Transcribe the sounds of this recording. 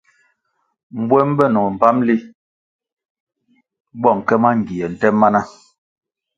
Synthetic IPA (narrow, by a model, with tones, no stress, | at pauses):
m̩˨bwɛ˦m̩˦bɛ˦˨nɔ˨m̩˨pa˦mli˦ | bɔ˦˨ŋ˨kɛ˦ma˦ŋ̩˨ɡi˨jɛ˨n̩˨tɛ˦mːa˦na˦